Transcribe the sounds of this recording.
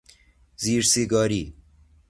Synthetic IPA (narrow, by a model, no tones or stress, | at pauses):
ziːɾsiɡɔːɾiː